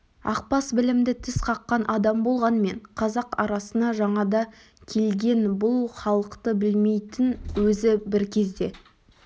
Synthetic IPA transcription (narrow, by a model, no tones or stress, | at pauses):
ɑ̰q̚pɑsbɪlɪmd̪ɪt̪ʰɪsqʰɑqːɑnʔɑd̪ɑmbo̞lˠʁɑnme̞ɴqʰɑzɑqɑɾɑsənɑʒɑɴɑd̪ɑ | kʲʰe̞lɡʲe̞nbʊlˠχɑlˠəqt̪əbɪlme̞jt̪ɪnwɵzɪbɪɾkʲʰe̞zd̪e̞